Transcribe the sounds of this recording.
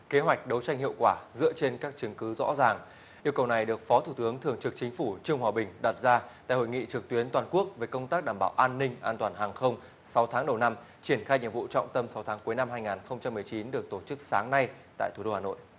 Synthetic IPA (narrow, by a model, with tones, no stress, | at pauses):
ke˨˦ɦwa˨˩jk̟̚ɗə˨˦wt͡ɕa˧jŋ̟ɦḭ˧˨əwkwaː˧˩zɨ̰˧˥ət͡ɕe˧nkaː˦˥k̚t͡ɕɨ˨˦ŋkɨ˨˦zɔ̰˧˥zaː˨˩ŋ | ʔi˧əwkə˨˩wna˨˩jɗɨ˨˩ək̚fɔ˨˦t̪ʰu˧˩t̪ɨ˨˦əŋt̪ʰɨ˨˩əŋt͡ɕɨ˨˩k̚t͡ɕï˨˦ŋ̟fu˧˩t͡ɕɨ˧əŋhwaː˨˩ɓï˨˩ŋ̟ɗa˨˩t̚zaː˧t̪a̰˧˨ho̰˧˨jŋḭ˧˨t͡ɕɨ˨˩k̚t̪wi˨˦ənt̪waː˨˩nku˦˥ək̚ve˨˩kə˧wŋ͡mt̪aː˦˥k̚ɗaː˧˩mɓaː˧˩wʔaː˧nːï˧ŋ̟ʔaː˧nt̪waː˨˩nhaː˨˩ŋxə˧wŋ͡m | sa˨˦wt̪ʰaː˨˦ŋɗə˨˩wna˧m | t͡ɕi˧˩ənxaː˧jɲḭ˨˩mvṵ˧˨t͡ɕɔ̰˧˨wŋ͡mt̪ə˧msa˨˦wt̪ʰaː˨˦ŋku˨˦jna˧mɦaː˧jŋaː˨˩nxə˧wŋ͡mt͡ɕa˧mːɨ˨˩əjt͡ɕi˨˦nɗɨ˨˩ək̚t̪o˧˩t͡ɕɨ˦˥k̚saː˨˦ŋna˧jt̪a̰ː˧˨jt̪ʰu˧˩o˧haː˨˩no̰˧˨jʔ